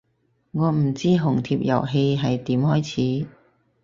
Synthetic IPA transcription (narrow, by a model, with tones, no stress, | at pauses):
ŋɔː˨˧m̩˨˩t͡siː˥ɦʊ˨˩ŋt̪ʰiː˧p̚jɐ̰˨˩wɦe˧jɦɐ˨jt̪iː˨˥mhɔː˥jt͡sʰiː˨˥